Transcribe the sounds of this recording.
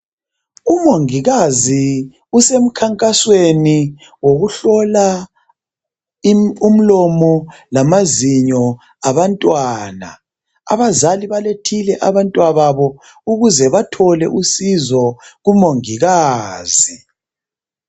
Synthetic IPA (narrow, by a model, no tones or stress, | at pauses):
umoŋiɣazi | usem̩kʰaŋkʼasweni | woɣuɬɔla | um̩lɔmɔlamaziɲɔ | aβantʼwaːna̰ | a̰βazaliβaletʰilɛʔaβantʼwaβaβɔ | uɣuzɛβatʰɔlɛʔusizɔɣumoŋiɣaːzi